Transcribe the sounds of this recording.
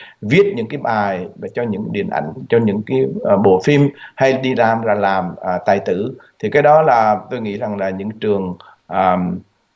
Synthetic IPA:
vi˦˥ət̚ɲɨ̰˧˥ŋkaː˨˦jɓaː˨˩jvaː˨˩t͡ɕɔ˧ɲɨ̰˧˥ŋɗḭ˨˩ənʔa̰˧˩jŋ̟t͡ɕɔ˧ɲɨ̰˧˥ŋkaː˨˦jɓo˨˩fi˧mha˧jɗi˧laː˨˩mzaː˨˩laː˨˩mː˨˩t̪aː˨˩jt̪ɨ̰˧˩t̪ʰi˨˩kaː˨˦jɗɔ˨˦laː˨˩t̪o˧jŋḭ˧˥za˨˩ŋlaː˨˩ɲɨ̰˧˥ŋt͡ɕɨ˨˩əŋ | ʔəː˨˩m

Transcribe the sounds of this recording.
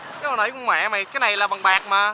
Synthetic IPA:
nə˨˦jkʊ˧˦ŋ͡mma̰˧˨˦ma˨˩kaː˨˦jna˨˩jlaː˨˩ɓa˨˩ŋɓaː˨˩k̚maː˨˩

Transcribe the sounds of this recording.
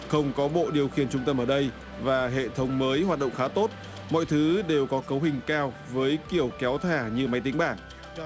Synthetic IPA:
xə˧wŋ͡mkɔ˨˦ɓo̰˧˨ɗi˨˩əwxḭ˧˩ənt͡ɕʊ˧ŋ͡mt̪ə˧mʔəː˧˩ɗə˧j | vaː˨˩ɦḛ˧˨t̪ʰə˨˦wŋ͡mməː˨˦jɦwaː˨˩t̚ɗə̰˧˨wŋ͡mxaː˨˦t̪o˦˥t̚ | mɔ̰˧˨jt̪ʰɨ˨˦ɗe˨˩wkɔ˨˦kə˨˦wɦï˨˩ŋ̟kaː˧w | vəː˨˦jki˧˩əwkɛ˨˦wt̪ʰaː˧˩ɲɨ˧ma˨˦jt̪i˨˦ŋɓaː˧˩n

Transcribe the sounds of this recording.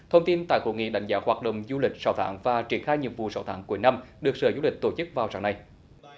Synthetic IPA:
t̪ʰə˧wŋ͡mt̪i˧nt̪a̰ː˧˨jko̰˧˩ŋḭ˧˨ɗa̰˧˥jŋ̟zaː˨˧˦hwaː˨˩t̚ɗə̰˧˨wŋ͡mzu˧lï˨˩k̟̚saː˧˦wt̪ʰaː˧˦ŋvaː˨˩t͡ɕi˧˩ənxaː˧jɲḭ˨əŋ̚vṵ˨saː˧˦wt̪ʰaː˨˦ŋku˧˦əjna˧mɗɨ˨˩ək̚səː˨˦zu˧lï˨˩k̟̚t̪o˧˩˦t͡ɕɨ˦˥k̚vaː˨˩wsaː˧˩˦ŋna˧j

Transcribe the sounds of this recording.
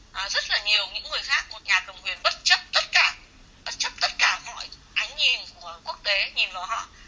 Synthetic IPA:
ʔaː˨˩zə˦˥t̚laː˨˩ɲi˨˩əwɲɨ̰˧˥ŋːɨ˨˩əjxaː˦˥k̚ːu˨˩ət̚ɲaː˨˩k̪ə˧mkwi˨˩ənɓə˦˥t̚t͡ɕə˦˥p̚t̪ə˦˥t̚kaː˧˩ | ɓə˦˥t̚t͡ɕə˦˥p̚t̪ə˦˥t̚kaː˧˩mɔ̰˧˨jʔa˨˦jŋ̟ɲi˧nku˧˩əku˦˥ək̚t̪e˨˦ɲi˨˩nvə̰˨˩hɔ̰˧˨

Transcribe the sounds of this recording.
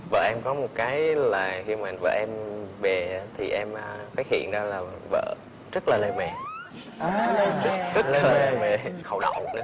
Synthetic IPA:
və̰ː˧˨ʔɛ˧mkɔ˨˦mo˨˩t̚kaː˨˦jlaː˨˩xi˧maː˨˩və̰ː˧˩ʔɛ˧mɓɛ˨˩˨t̪ʰi˨˩ʔɛ˧mʔfaː˦˥t̚hḭ˧˨ənzaː˧laː˨˩və̰ː˧˨ | zə˦˥t̚laː˨˩le˧mɛ˨˩˧ | zə˦˥la˧˨˩aː˨˧mɛ˨˩xə˨˩wnə̰˧˨wnɨ˨˦

